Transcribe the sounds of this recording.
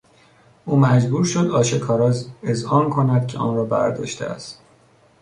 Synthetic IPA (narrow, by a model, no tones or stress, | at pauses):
ʔuːmæd͡ʒbuːɾʃod̪ɒːʃekʰɒːɾɒːzezɒːnkʰo̞næd̪̥̚cʰeʔɒːnɾɒːbæ̰ɾd̪ɒ̰ːʃt̪ʰḛæ̰st̪